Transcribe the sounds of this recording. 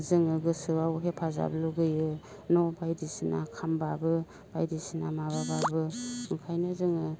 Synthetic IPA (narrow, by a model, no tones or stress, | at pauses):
zɯŋɯɡɯsɯawɦepʰaza̰bluɡɯjɯ | nɔbajdisɯna̰kʰambabɯ | b̥ajdisinamaβababɯŋkʰajnazɯŋɯ